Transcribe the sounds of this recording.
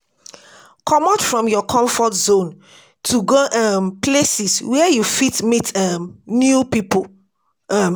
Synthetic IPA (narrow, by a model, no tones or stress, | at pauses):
kʰɔmatfɹɔ̃mjɔkʰɔ̃ɱfɔtzõn | tʰuɡoʔamplesiswɛjufitmitamnjupipol | m